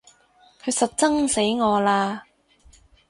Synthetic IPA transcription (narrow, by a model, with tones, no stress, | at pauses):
kʰɵ˨˧ɥsɐ˨t̚t͡sɐ˥ŋse˨˥jŋɔː˨˧laː˧